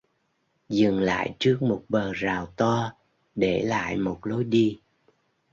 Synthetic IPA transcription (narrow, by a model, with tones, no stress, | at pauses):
zɨ˨˩ŋla̰ː˧˨jt͡ɕɨ˦˥ək̚mo˨˩t̚ɓəː˨˩zaː˨˩wt̪ɔ˧ | ɗe˧˩la̰ː˧˨jmo˨˩t̚lo˨˦jɗi˧